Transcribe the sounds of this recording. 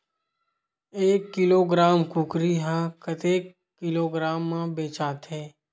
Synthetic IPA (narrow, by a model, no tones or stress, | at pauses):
eːkːɪloːɡɾaːmkʊkɾiɦãkət̪eːkː | ɪloːɡɾaːmːãbeːt͡ʃaːt̪ɦɛː